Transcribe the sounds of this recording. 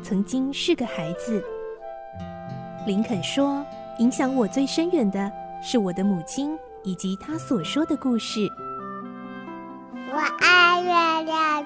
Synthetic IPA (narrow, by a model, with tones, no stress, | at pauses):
t͡sʰɤ˧˥ŋt͡ɕi˥ŋʂɻ̩˥˩ɡə˩xa˧˥ɪd͡zɹ̩˧ | li˧˥nkʰə˨˩nʂwɔ˥ | i˧˥ŋɕjɑ˧˥ŋwɔ˨˩t͡swe˥˩ɪʂə˥nɥɛ˨˩nd̪ə˧ʂɻ̩˥˩wɔ˨˩d̪ə˦mu˨˩t͡ɕʰi˥n | i˨˩t͡ɕi˧˥t̪ʰa˥swɔ˨˩ʂwɔ˥d̪ə˨ku˥˧ʂɻ̩˥˩ | wɔ˨˩ʔa˥˧ɪɥɛ˥˩lja˧˩˦